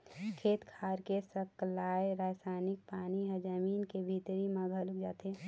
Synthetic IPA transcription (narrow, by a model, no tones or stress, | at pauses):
kʰeːt̪kʰaːɾkesəklaːjɾaːsaːnɪk̚paːniɦəd͡ʒəmiːnkebʱit̪ɾimaɡʱəlʊkd͡ʒaːt̪e